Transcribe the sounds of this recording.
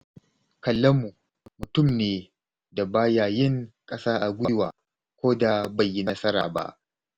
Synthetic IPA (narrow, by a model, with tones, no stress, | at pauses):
kɐ˨lːɐ˦mu˨ | mʊ˨tʊ˦˨mneː˨ | da˨baː˦jaː˨jɪ˦ŋkʼɐ˦saː˦ʔa˨ɡʷʊ˦waː˨ | kʷoː˦da˨ba˨jːi˦nɐ˦sɐ˦ɾa̰ː˨ba̰˦˨ʔ